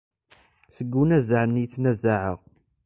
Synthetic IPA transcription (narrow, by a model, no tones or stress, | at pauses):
səɡːunæzaʕnːit͡sːnæzːaʕəʁ